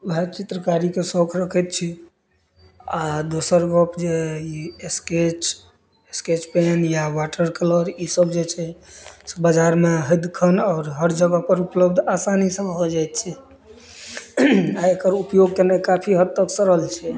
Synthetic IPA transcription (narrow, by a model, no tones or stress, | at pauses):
ɦɛt͡ʃit̪ɾəkaɾikesɔkʰɾəkʰɛt̪̚t͡ʃʰi | ad̪osəɾɡɔpd͡ʒeiesket͡ʃ | esket͡ʃpenjawaʈəɾkələɾisəbd͡ʒet͡ʃʰɛsbəd͡ʒaɾmeɦəd̪kʰənɔːɾɦəɾd͡ʒəɡəpəɾupləbd̪ʱasanisəmɦod͡ʒajt̪̚t͡ʃʰɛ | aekəɾupjoɡ̚kenekapʰiɦəd̪təksəɾəlt͡ʃʰɛ